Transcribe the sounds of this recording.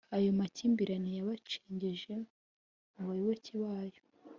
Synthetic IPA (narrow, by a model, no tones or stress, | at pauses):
ajo̞maciːmbiɾanijaβat͡ʃi̥ːɲɟiʒe̞ | muβaɾiwociβaːjo